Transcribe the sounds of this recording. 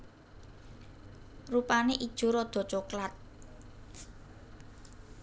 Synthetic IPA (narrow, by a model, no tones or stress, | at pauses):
rupaneʔid̥ʒ̥o̤ɾɔd̪̥o̤t͡ʃoklat̪̚